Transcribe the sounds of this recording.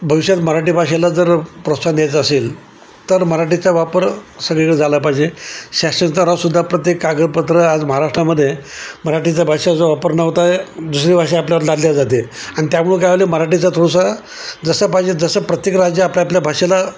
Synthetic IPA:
bʱəʋiɕjat̪məɾaʈibʱaʂelad͡zəɾpɾost̪ad̪jajt͡səːsel | t̪əɾməɾaʈit͡saʋapəɾsəɡɭekəɭed͡zʱaləpaɦid͡ʑeɕasənt̪əɾasud̪ʱːapɾət̪jekːaɡəɾpət̪ɾəad͡zməɦaɾaʂʈɾaməd̪ʱːjeməɾaʈit͡sabʱaʂed͡zoʋapəɾnəʋt̪aed̪usɾiːbʱaʂ̬eapljaʋəɾlad̪ljad͡zat̪̬eaɽ̃it̪jamuɭũkaliməɾaʈit͡sat̪ʰusa | d͡zəsəpaɦid͡ʑed͡zəsəpɾət̪jekɾad͡ʑjaapljapljabʱaʂela

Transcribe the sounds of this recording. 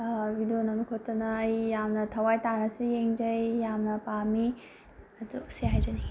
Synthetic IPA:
bidonɐnukʰotːɐnɐːjːamnɐtʰɐwajtanɐsujeŋd͡ʒɐjjamnɐpami | ɐduseɦajd͡ʒɐni

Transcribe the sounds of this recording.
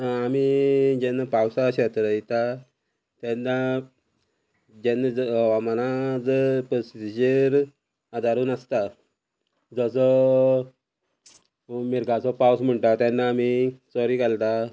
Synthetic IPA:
ɦãːmid͡ʑɛnːapawsaɕət̪ɾəit̪a | t̪janːa | d͡ʑɛnːad͡zʋamanad͡zəpɾɔsid͡ʑəɾ | ad̪ʱaɾuːnast̪a | d͡zəsɔ | miɾɡʱat͡sɔpawsm̤əɳʈ̪at̪janːaːmisɔɾiːkalt̪a

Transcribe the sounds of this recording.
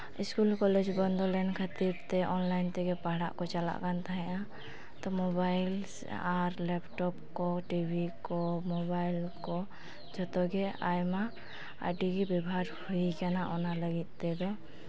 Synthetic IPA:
iskulkɔlɛd͡ʒbɔnd̪ʱɔlankʰat̪iɾt̪ɛʔɔnlajnt̪ɛɡɛpaɦɽa̰ʔkɔt͡ʃala̰ʔkant̪ʰaɦɛ̃ʔa | t̪ɔmɔbajl | aɾlɛpʈɔpkɔʈibʱikɔmɔbajlkɔ | d͡ʒɔt̪ɔɡɛajma | a̰ɖiɡibɛbʱaɾhuikanaʔɔnaləɡit̪̚ˀt̪ɛd̪ɔ

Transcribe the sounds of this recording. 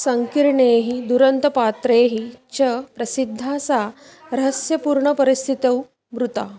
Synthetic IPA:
səŋkiɾɳeɦid̪uɾənt̪ɐpat̪ɾeːɦit͡ɕəpɾɐsid̪ʱːat͡sa | ɾɐɦəsjɐpuːɾɳəpəɾist̪ʰit̪əw | bɾut̪a

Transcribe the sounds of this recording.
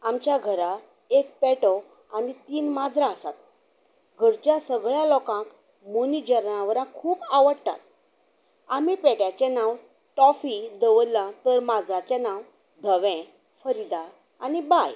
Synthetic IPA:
amt͡ɕjaɡʱəɾa | ek̚pɛʈɔ | anit̪iːnmad͡zɾaəsat̪̚ | ɡʱəɾt͡ɕjasəɡɭjãlɔkãk | monid͡ʑəɾnãʋəɾãkʰuːpaʋəɽt̪a̰t̪̚ | amipɛʈjat͡ɕɛnãw | ʈɔfid̪əʋəlãt̪əɾmad͡zɾat͡ɕanãw | d̪ʱəʋɛ̃ | fəɾid̪aɾ | anibaj

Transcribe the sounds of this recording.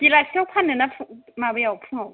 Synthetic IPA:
tilaɬɛʊpʰanɛnafumabɛjaʊpʰunɔ

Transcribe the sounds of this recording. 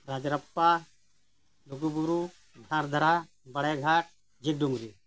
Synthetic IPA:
ɾaːd͡ʒɾɐpːa | luɡubuɾu | dʱãːɾd̪ʱɐɾaː | bɐɽeɡʱaːʈ̚ | d͡ʒiɡ̚ɖumɾi

